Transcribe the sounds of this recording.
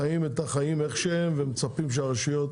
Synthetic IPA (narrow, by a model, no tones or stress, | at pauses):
aimetaχajimeχʃeemvemet͡sapimʃ̬eaʁeʃujo̞t̪